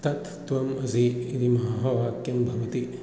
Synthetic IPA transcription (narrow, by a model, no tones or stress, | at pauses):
t̪ɐt̪ːʋɐmɐziːɾimɐɦaɦɐʋaːkjɐmbʱɐʋɐt̪i